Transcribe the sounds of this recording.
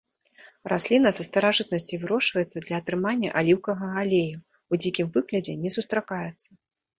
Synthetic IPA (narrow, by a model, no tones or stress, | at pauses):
rasʲlʲinɐsɐst̪ɐɾaʐɨt̪̚nɐsʲt͡sʲivɨɾɔʂvɐjɛt̪sːɐd̪lʲɐɐːt̪ɾɨmanʲːɐ̰ʔalʲiwkɐɣɐalʲeju | wd͡zʲikʲimvɨɣlʲɐd͡zʲɛnʲɛsust̪ɾakajɛt̪sːɐ